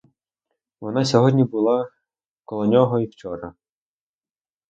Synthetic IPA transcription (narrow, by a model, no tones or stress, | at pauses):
ʋɔnɑsʲɔɦɔdʲnʲibʊlˠɑ | kɔlˠɔnʲɔɦɔiwt͡ʃɔɾɐ̰